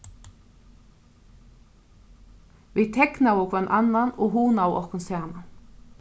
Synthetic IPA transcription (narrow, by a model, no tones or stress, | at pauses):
viðt̪ʰɛknawɔkʰvanʔanːanɔɣɦunawɔ̰hkʊnsɛana